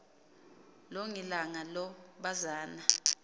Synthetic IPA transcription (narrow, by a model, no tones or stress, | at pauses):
loŋilaŋalɔɓazaːna